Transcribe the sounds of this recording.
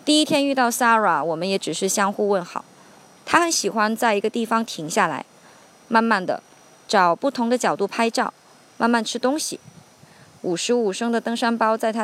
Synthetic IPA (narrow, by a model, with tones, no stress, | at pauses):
t̪i˥˩i˥t̪ʰjɛ˥ny˥˧t̪ɑ˥˩ʊsa˥ɻa˨˥˦wɔ˨˩mə˦njɛ˧˥ʈ͡ʂɻ̩˨˩ʂɻ̩˥˩ɕjɑ˥ŋxu˥˧wə˥˩nxɑ̰˨˩˦ʊ | t̪ʰa˥xə˧˥nɕi˨˩xwa˥nt͡sa˥˩ɪi˧˥ɡə˧t̪i˥˩fɑ˧ŋt̪ʰi˧˥ŋɕja˥˩la̰˧˥ɪ | ma˥˧nma˥˩nd̪ə̰˩ | ʈ͡ʂɑ˨˩ʊpu˥˩t̪ʰʊ˧˥ŋd̪ə˧t͡ɕjɑ˨˩ʊt̪u˥˩pʰa˥ɪʈ͡ʂɑ˥˩ʊ | ma˥˧nma˥˩nʈ͡ʂʰɻ̩˥t̪ʊ˥ŋɕḭ˨˩ | u˨˩ʂɻ̩˧˥u˨˩ʂɤ˥ŋd̪ə˨t̪ɤ˥ŋʂa˥npɑ˥ʊt͡sa˥˩ɪt̪ʰa˥